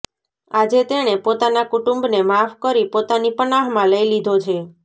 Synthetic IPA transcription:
ad͡ʒet̪eɽ̃epot̪anakuʈũmbnemafkəɾipot̪anipənaɦmãləilid̪ʱot͡ʃʰe

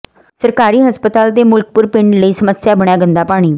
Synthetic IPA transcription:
səɾkaːɾiːɦəspət̪aːlt̪eːmʊlk̚pʊɾpɪɳɖləiːsəməsjaːbəɽ̃jaːɡə̃nd̪aːpaːɽ̃iː

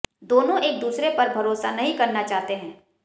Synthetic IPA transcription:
d̪oːnõʔeːk̚d̪uːsɾepɐɾbʱɐɾoːsanɐɦĩkɐɾnat͡ʃaːɦt̪eɦɛ̃ː

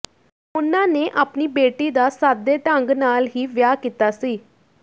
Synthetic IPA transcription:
ʊnãːneːʔaːpniːbeːʈiːd̪aːsaːd̪eːʈəŋɡnaːlɦiːʋjaːkiːt̪aːsiː

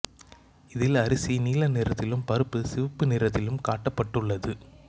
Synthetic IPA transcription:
ɪðɪlɐɾɪsiniːlɐnɪɾɐt̪ːɪlɯmpɐɾɯpːɯsɪʋɐpːɯnɪɾɐt̪ːɪlɯmkaːʈːɐpːɐʈːɯɭːɐðɯ

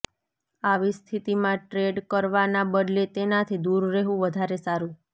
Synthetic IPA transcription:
aʋist̪ʰit̪imãʈɾeɖkəɾʋanabəd̪let̪enat̪ʰid̪uɾːeɦũʋəd̪ʱaɾesaɾũ

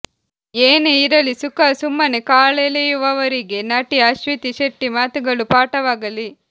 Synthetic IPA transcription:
eːneiɾɐlisukɐsumːɐnekaːɭelejuʋɐʋɐɾiɡe̞nɐʈiɐʃʋit̪iʃeʈːimaːt̪uɡɐɭupaːʈɐʋaːɡɐli

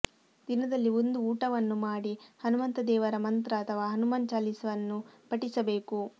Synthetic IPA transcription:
d̪inɐd̪ɐlːiond̪uuːʈɐʋɐnːumaːɽihɐnumɐnt̪ɐd̪ɛːʋɐɾɐmɐnt̪ɾɐːt̪ʰɐʋaːɦɐnumɐnt͡ʃaːlisɐʋɐnːupɐʈisɐbe̞ːku

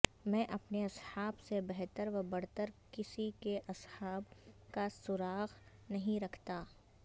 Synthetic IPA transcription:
mɛ̃ːʔɐpneɐshaːbsebɛɦt̪əɾʋɐbɐɾ̤t̪əɾkɪsikeʔɐshaːbkasʊɾaːɣ | nɐɦĩɾɐkʰt̪aː

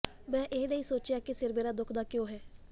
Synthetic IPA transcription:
mɛ̃ːʔeɦd̪eiːsoːt͡ʃjaːkɪsɪɾbeːɾaːd̪ʊkʰd̪aːkjõːɦɛː

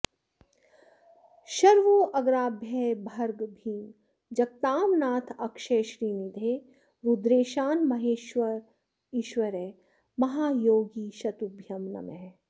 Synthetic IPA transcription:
ʃɐɾʋoːʔɐɡɾaːbʱjɛːbʱɐɾɡbʱiːŋ | d͡ʒɐk̚t̪aːmnaːt̪ʰɐkʃeːʃɾiːnid̪ʱeː | ɾud̪ɾeːʃaːnmɐɦeːʃʋɐɾ | iːʃʋɐɾɛː | mɐɦaːjoːɡiːʃɐt̪ubʱjɐmnɐ̰mɛɦ

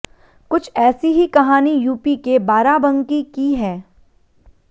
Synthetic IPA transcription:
kʊt͡ʃʰɛːsiɦikɐɦaːnijuːpikebaːɾabɐ̃ŋkikiɦɛː

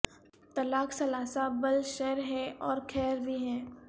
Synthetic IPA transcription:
t̪ɐlaːksɐlaːsabɐlʃɛːɾɦɛɔːɾkʰɛːɾbʱiɦɛ̃ː

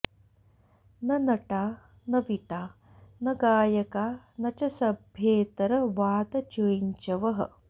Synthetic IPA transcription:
nɐnɐʈaː | nɐʋiʈaː | nɐɡaːjɐkaː | nɐt͡ʃɐsɐbʱjeːt̪ɐɾɐʋaːt̪ɐt͡ʃoiɲt͡ʃɐʋɐɦɐ̰

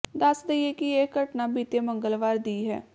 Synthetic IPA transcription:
d̪əsd̪eieːkɪeːkəʈnaːbiːt̪eːmə̃ŋɡəlʋaːɾd̪iːɦɛ̰ː

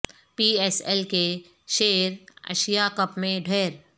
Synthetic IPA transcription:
piːɛːsɛlke | ʃeːɾɐ̰ʃijakəpmẽɖʱɛːɾ

